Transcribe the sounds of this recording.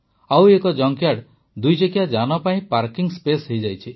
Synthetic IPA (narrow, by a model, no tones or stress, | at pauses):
awekɔd͡ʒɔŋkjaɖ | d̪ujt͡ʃekijad͡ʒanɔpaĩpaɾkiŋspesɦejd͡ʒajt͡ʃʰi